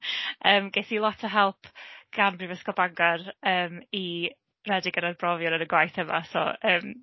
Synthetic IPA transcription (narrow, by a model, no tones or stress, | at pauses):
əːmɡeθilˠɔtʰəɦɛlˠpʰɡ̥anbrivəskɔbaŋɡɔrəːmi | rɛdɪɡənarbrɔvjɔnənəɡwajθəma̰sɔ̰əːm